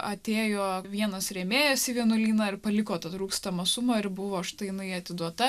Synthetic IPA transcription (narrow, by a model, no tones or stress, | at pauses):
ʔɐt̪ʲeːjoːʋʲiɛnɐsɾʲɛːmʲeːjoːsʲiːʋʲiɛnʊlʲiːnɑːɪrpɐlʲɪkoːt̪ɐt̪ɾuːkst̪ɐmɐsʊmɐːɪɾbʊʋoːʃt̪ɐɪnɐɪɐt̪ʲɪd̪uɔt̪ɐ